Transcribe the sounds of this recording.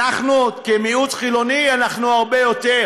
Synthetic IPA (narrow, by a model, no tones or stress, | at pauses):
aχnukemiut̪χilonianaχnuaʁbejo̞t̪e